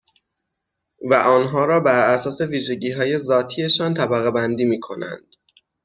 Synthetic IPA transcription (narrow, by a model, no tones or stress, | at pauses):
væʔɒːnɦɒːɾɒːbæɾæsɒːse̞viːʒe̞ɟiːɦɒːje̞zɒːt̪ʰiːe̞ʃɒːnt̪ʰæbæɣebænd̪iːmiːkʰo̞næ̰nd̪̥